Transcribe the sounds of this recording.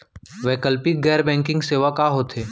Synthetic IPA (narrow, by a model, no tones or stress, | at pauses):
ʋɛkəlpiɡɛːɾbɛ̃ːŋkɪ̃ŋɡseːʋakaɦoːt̪ʰeː